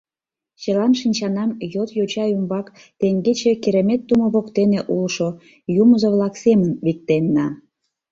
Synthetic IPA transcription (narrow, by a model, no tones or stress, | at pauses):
t͡ɕəlɑnʃinʲt͡ɕɑnɑmjot̪jot͡ɕɑjumbɑk | t̪eŋɡet͡ɕekeɾemet̪ːumoβokt̪eneʔulʃo | juməzoβlɑksemənβik̚t̪enːɑ